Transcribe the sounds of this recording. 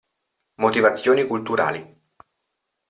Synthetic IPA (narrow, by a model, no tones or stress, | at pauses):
mot̪ivat̪sːjoːnikult̪uɾa̰ːli